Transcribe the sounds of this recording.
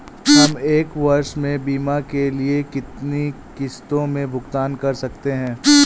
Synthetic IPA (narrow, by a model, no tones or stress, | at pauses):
ɦɐmeːkʋɐɾʃmẽbiːmakeliekɪt̪ni | kɪst̪õmẽbʱʊɡt̪aːnkɐɾsɐkt̪eɦɛ̃ː